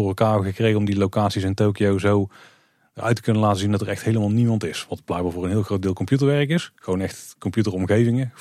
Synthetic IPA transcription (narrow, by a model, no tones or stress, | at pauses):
ʊːɹɛlˠkaːɣəkrejɣənɔmdilowkaːtsisɪntowkijowzow | ʔœ̰ɥtə̥kɵnəlaːtəzindɑtəɹɛxtɦejləmaːlˠnimɑntɪsʋɑtb̥lɛjɡ̚baɹvoːɹənɦɪːlˠxrowdɪːlˠkɔmpjut̬əɹʋɛɹəkɪsxəʋownɛxtkɔmpjutərɔmɣejvɪŋə